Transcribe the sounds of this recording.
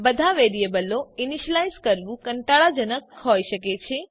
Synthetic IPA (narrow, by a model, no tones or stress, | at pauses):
bəd̪ʱaʋeɾiebəloiniʃəlajzkəɾʋũkəɳʈaɭad͡ʒənəkɦojʃəket͡ʃʰe